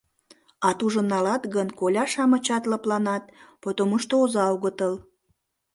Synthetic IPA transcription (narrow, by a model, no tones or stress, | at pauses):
ɑt̪uʒə̆nːɑlɑt̪ɣənkolʲɑʃɑmə̆t͡ɕɑt̪ləplɑnɑt̪̚pot̪oməʃt̪oozɑoɣət̪əl